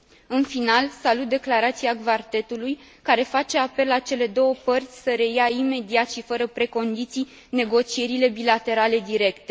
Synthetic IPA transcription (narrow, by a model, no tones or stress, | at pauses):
ɨnfinalsalut̪̚d̪e̞klaɾat̪siaɡvart̪e̞t̪uluj | kaɾe̞fat͡ʃe̞ape̞lːat͡ʃe̞le̞d̪o̞wəpərt̪sʲsəɾe̞jaime̞d̪iat̪ʃifəɾəpɾe̞ko̞nd̪it̪sij | ne̞ɡo̞t͡ʃie̞ɾile̞bilat̪e̞ɾale̞d̪iɾe̞kt̪e̞